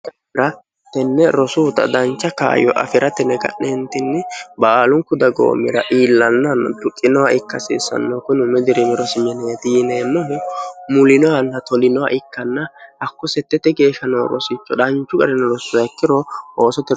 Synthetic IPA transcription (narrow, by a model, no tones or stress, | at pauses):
ɾɐ | t̪ɛnːɛɾɔsʊːt̪ɐ̰d̪ɐnt͡ʃːɐka̰ːjɔ̰ʔɐ̰fɪɾʔɐt̪ɛnːɛɡɐ̰nːɛnt̪ɪnːɛbaːlʊŋkʊd̪ɐɡo̰ːmːɪɾɐ̰ʔiːlːɐnːɐnɐ̰t̪ʊkʼːɪnɔwaɪkːɐsɪ̰ːsːɐ̰nːokʊnʊmɛd̪ɪɾɛmɛɾɔsɪmɛnɛt̪ineːmːɔɦʊmʊlɪnɔwɐnːɐt̪ɔlɪnɔwa̰ʔɪkːɐnːɐʔɐkːʊsɛt̪ːɛt̪ːɛɡe̞ːʃɐnoːɾɔ̰sɪt͡ʃːɔᶑɐnt͡ʃːʊɡʼɐɾɛnːɔɾɔsʊɐkːɪɾɔʔo̞ːsɔt̪ːɛ